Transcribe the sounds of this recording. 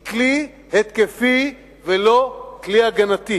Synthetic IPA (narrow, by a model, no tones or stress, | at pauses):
kli | het̪̚kefi | velokliaɡanat̪i